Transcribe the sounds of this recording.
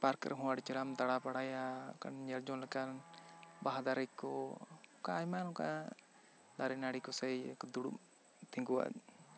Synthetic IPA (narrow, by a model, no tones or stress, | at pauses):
paɾkɾʔɛ̰ɦũwaɽt͡ʃɛɾamd̪aɽapaɽaja̰ka̰nɲɛɾd͡ʒɔnlɛkanbaɦad̪aɾɛjkːɔɔkaːjmanɔka̰ | d̪aɾɛnaɽikɔsɛjkd̪uɽṵʔ | t̪ʰiŋɡuwa̰d